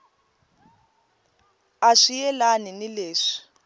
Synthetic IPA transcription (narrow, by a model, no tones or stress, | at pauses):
aʂijɛlaninileːʂi̥